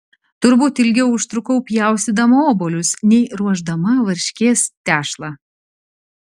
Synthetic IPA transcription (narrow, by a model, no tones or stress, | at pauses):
t̪ʊɾbuːt̪ɪlʲɡʲɛʊʊʃt̪ɾʊkɐʊpʲjæˑʊsʲɪd̪ɐmɐoːboːlʲʊsnʲɛɪɾuɔʒd̪ɐmɐʋɐɾʲʃʲkʲeːst̪ʲæːʃlˠɑ